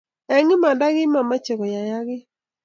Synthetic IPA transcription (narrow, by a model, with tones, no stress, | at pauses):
ɛ˨ŋɪ˦ma˨da˦ɡɪ˦ma˨ma˦t͡ʃe˨kɔ˨ja˨ja˦ɡɪ˦